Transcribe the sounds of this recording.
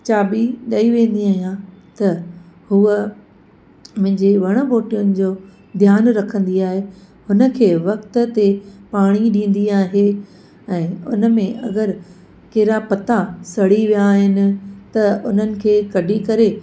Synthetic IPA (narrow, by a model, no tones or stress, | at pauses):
t͡ɕaːbiɗɐiʋẽːn̆d̪iaːɦijãt̪ɐ | huə | mʊ̃ɦɪ̃ɲd͡ʑeʋɐɽ̃ə̆boːʈijʊnɪ̆d͡ʑoː | d̪ʱjaːnɾɐkʰə̃nd̪iaːɦe | hʊnə̆kʰeːʋɐkt̪ə̆t̪epaːɽ̃iɗĩːn̆d̪iaːɦe | ɛ̃ːʊ̰nəmẽʔɐ̰ɡəɾ | kɐɦɾapɐt̪asɐɽiʋijaːɦɪnɪ̆t̪ɐʊn̤ənɪ̆kʰeːkɐɖʱikɐɾe